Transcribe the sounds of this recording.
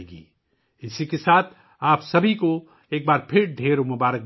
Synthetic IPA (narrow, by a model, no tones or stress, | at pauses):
eːɡḭː | ɪsikesaːt̪ʰ | aːpsɐbʱiko | eːk̚baːɾpʰɪɾɖʱeːɾomʊbaːɾək̚